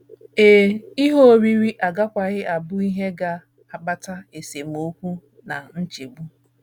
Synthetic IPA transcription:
e˨i˦ɦo˦˨ɾi˦ɾi˦ʔa˨ɡa˦kʷa˨ɣɪ˦ʔa˨bʊ˦i˦ɦe˦ɡa˦ | a˨ɡ͡ba˦ta˦e˨se˨m̩˨o˦kʷu˦ | na˨n̩˦t͡ʃi˨ɡ͡bu˦

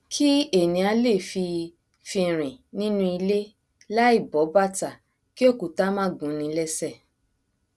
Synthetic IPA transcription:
kʰi˦e˦˨nĩ˨˧a˧le˦˨fi˧ | fĩ˧˨ɾ̃ĩ˨nĩ˦nũ˦i˧le˦ | la˦i˦˨bɔ˨˦ba˦ta˨ | ki˦o˦˨ku˨ta˦mã˦˨ɡũ˨˦nĩ˧˦lɛ˦sɛ˦˨

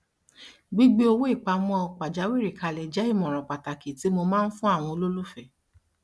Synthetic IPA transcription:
ɡ͡bi˦ɡ͡be˦o˧wo˦i˦˨k͡pa˧mɔ̃˦˧k͡pa˨d͡ʒa˨˦wi˦˨ɾi˨ka˨˧lɛ˨d͡ʒa˨˦i˦˨mɔ̃˨ɾ̃ɔ̃˨k͡pa˨ta˨ki˨ti˨˦mo˧mãː˦n̩˦fũ˦a˦˨w̃ɔ̃˧o˧lo˦lu˦fɛ˦˨

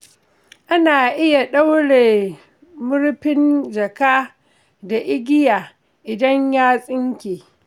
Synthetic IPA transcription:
ʔa˦naː˨ʔɪ˦ja˨ɗa˦wɽeː˨ | mʊ˦ɽɸɪ˦nd͡ʒɐ˨kaː˦ | da˨ʔɪ˦ɡʲɪ˦jaː˨ | ʔɪ˨dɐ˦ɲjaː˦sʼɪ˦ŋkʲeː˨

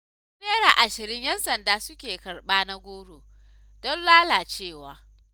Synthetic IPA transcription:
ʊ˦neː˦ɽaː˨ʔa˨ʃɪ˨ɾɪ˦ɲjɐ˦nsɐ˨ndaː˦sʊ˦kʲeː˨kɐ˨ɽɓaː˦na˦ɡʷoː˦ɽoː˨ | d̥ɔ˦nlaː˦laː˨t͡ʃeː˦˨waː˨

